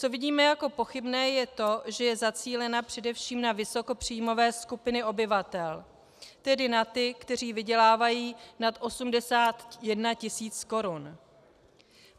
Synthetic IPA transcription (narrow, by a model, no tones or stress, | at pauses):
t͡so̞vɪɟiːmɛjako̞po̞xɪbnɛːjɛt̪o̞ʒɛjɛzat͡siːlɛnapr̝̥ɛdɛfʃiːmnavɪso̞ko̞pr̝̥ijmo̞vɛːskupɪnɪʔo̞bɪvat̪ɛl | t̪ɛdɪnat̪ɪkt̪ɛr̝iːvɪɟɛlaːvajiːnat̪ʔo̞sumdɛsaːt̪jɛdnacɪsiːt͡sko̞ɾun